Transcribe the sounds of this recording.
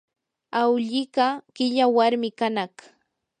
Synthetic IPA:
awʎɪɢakɪʎawaɾmɪkanaχ

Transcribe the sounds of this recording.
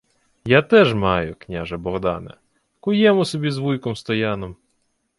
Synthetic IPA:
jat̪ɛʒmɑjʊknʲaʒɐbɔɣd̪ɑ̰nɐ̰ | kʊjɛmʊsɔbʲizʋujkɔmst̪ɔjanɔm

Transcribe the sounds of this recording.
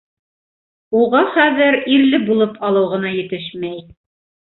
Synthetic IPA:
uʁɑχæðɘɾiɾlɘbulˠɤpʰɑlˠɤ̆wʁɤ̆nɑjɘ̆t̪ɘʃmæj

